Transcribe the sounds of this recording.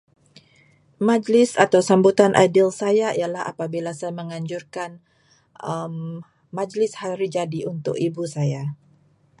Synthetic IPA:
mad͡ʒlɪsat̪awsambut̪anʔa̰dɪlsajaijalaha̰pabilasajaməŋaɲd͡ʒurkan | əmː | ad͡ʒlɪshaɾid͡ʒadiunt̪ʊkibusaja

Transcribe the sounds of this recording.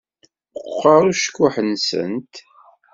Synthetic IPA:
əqːɑɾˤuʃkːʊħənsə̰nt̪

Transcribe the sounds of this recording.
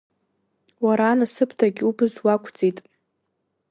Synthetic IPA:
waɾaːnasɨpʰtʰaɡʲubɨzwakʷʰd͡zitʼ

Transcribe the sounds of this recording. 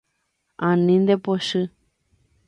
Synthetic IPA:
ãnĩnd̪epoʃɨ

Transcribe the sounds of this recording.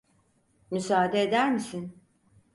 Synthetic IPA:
mysaːd̪eːd̪æɾmisin

